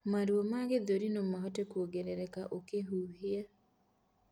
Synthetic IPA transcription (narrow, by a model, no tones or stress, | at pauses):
maɾwomaɡed̪oɾinomaɦɔtekwoɡeɾeɾɛkaʔokeɦuɦia